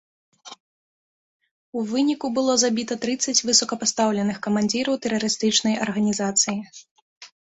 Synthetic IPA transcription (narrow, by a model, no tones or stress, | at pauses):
uvɨnʲikubɨlˠɔzabʲit̪ɐt̪ɾɨt̪sːɐt͡sʲvɨsɐkɐpast̪awlʲɛnɨxkɐmanʲd͡zʲiɾɐwt̪ɛɾɐɾɨst̪ɨt͡ʂnɐjɐrɣɐnʲizat̪sɨji